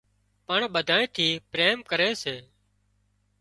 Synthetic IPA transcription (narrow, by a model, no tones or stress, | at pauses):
pəɳɓəd̪ʱaːẽːt̪ʰiːpɾeːmkəɾeːseː